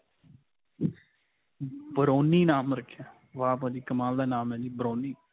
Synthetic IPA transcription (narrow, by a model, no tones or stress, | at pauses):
bəɾoːniːnaːmɾəkʰːaː | ʋaːpãːd͡ʒiːkəmaːld̪aːnaːmɛ̃ːd͡ʒiːbəɾoːniː